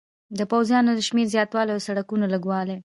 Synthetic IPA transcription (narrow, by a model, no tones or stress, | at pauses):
d̪əpawzjɑnod̪əʃmeɾzjɑt̪wɑleawsaɽakunaləɡwɑle